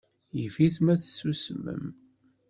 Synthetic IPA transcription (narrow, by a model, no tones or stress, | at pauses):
jəfismæθsusmə̰m